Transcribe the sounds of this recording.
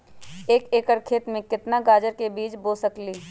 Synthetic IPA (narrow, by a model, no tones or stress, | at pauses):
eːkeːkəɾkʰeːt̪mẽkɪt̪naɡaːd͡ʒəɾkebiːt͡ʃboːsəkliː